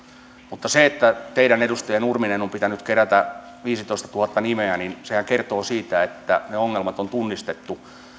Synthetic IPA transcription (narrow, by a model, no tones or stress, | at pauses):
mut̪ːɑseet̪ːæt̪eiɾænedust̪ɑjenurminenompit̪ænyt̪keɾæt̪æ | ʋiːsit̪oist̪ɑ̥t̪uhɑt̪ːɑnimeæninsehæŋkert̪oːsiːt̪æet̪ːæ̰neoŋːelmɑt̪ont̪unːist̪et̪ːu